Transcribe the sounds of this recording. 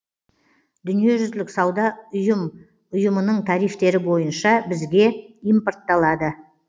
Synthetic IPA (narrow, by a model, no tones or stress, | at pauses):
d̪ʏnije̞ʒʏzd̪ɪlɪksɑwd̪ɑʊjəm | ʊjəmənəɴt̪ʰɑɾijft̪e̞ɾɪbo̞jənʃɑbɪzɡʲe̞ijmport̪ːɑlˠɑd̪ə